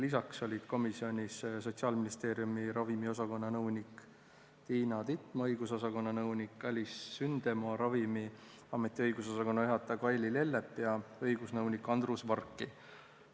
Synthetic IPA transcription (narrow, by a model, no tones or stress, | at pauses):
lisɑkso̞lʲid̪̥ko̞misio̞nʲisso̞t̪siɑːlminist̪e̞ːɾjumiɾɑvimio̞sɑko̞nːɑnɤwnik | t̪iːnɑt̪it̪ˑmɤjɡ̥uso̞sɑko̞nːɑnɤwnikːælʲisːynd̪̥e̞moɑɾɑvimi | ɑme̞t̪ːˑiɤjɡuso̞sɑko̞nːɑeɦɑt̪ːˑɑkɑjlile̞lːepːˑjɑɤjɡ̥usnɤwnikːˑɑnd̪rusvɑrkˑːi